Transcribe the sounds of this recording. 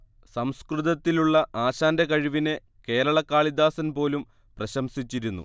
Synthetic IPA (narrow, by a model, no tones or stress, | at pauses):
sɐmskrɨðɐt̪ːiluɭːɐʔaːɕaːndekɐɻiʋine | ke̞ːɾɐɭɐkːaːɭid̪aːsɐnpo̞ːlum | prɐɕɐmsit͡ɕːiɾunːṵ